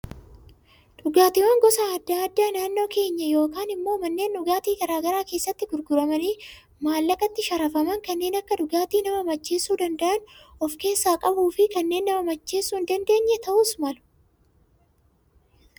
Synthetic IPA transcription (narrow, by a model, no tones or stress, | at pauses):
ᶑʊɡaːt̪ɪwɐːŋɡɔsaɐd̪ːaːd̪ːaːnaːnːo̞ːke̞ːɲːɐjo̞ːkaːnɪmːo̞ːmɐnːe̞ːnᶑʊɡaːt̪iːɡɐɾaːɡɐɾaːke̞ːsːɐt̪ːɪɡʊɾɡʊɾɐmɐniː | maːlːɐkʼɐt̪ːɪʃɐɾɐfɐmɐŋkɐnːe̞ːnɐkːɐᶑʊɡaːt̪iːnɐmɐmɐt͡ʃːe̞ːsːuːd̪ɐnd̪ɐʔɐnɔfke̞ːsːaːkʼɐbuːfɪkɐnːe̞ːnːɐmɐmɐt͡ʃːe̞ːsːuːnd̪ɐnd̪e̞ːɲːɛt̪ɐʔʊːsmɐlʊ̥